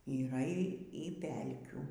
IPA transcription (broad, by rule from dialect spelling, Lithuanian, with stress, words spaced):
iːˈrɐ ˈiː ˈiː ˈpʲɛlʲkʲuː